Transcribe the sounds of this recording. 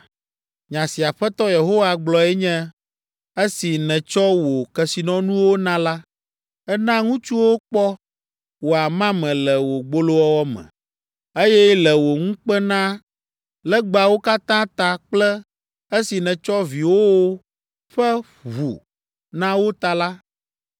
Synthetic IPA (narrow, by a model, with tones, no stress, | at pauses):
ɲã˨si˨a˨ɸɛ˦t̪ɔ˦je˨ɦo˦wa˨ɡ͡blɔ˨ɛ˦ɲɛ̃˦ | e˦si˨nɛ̃˨t͡ʃɔ˦wo˨kɛ˨si˨nɔ̃˦nũ˦wo˦nã˦la˦ | ɛ˦nã˦ŋũ˦t͡ʃu˦wo˦k͡pɔ˦ | wo˨a˨mã˦mɛ̃˨lɛ˨wo˨ɡ͡bo˦lo˦wɔ˦wɔ˦mɛ̰̃˨ | e˦jɛ˦lɛ˨wo˨ŋũ˦k͡pɛ˦nã˦ | lɛ˦ɡ͡ba˨wo˦ka˦t̪ã˦t̪a˨k͡plɛ˦ | e˦si˨nɛ̃˨t͡ʃɔ˦vi˨wo˦wo˦ | ɸɛ˦ | βṵ˨ | nã˦wo˦t̪a˨la˦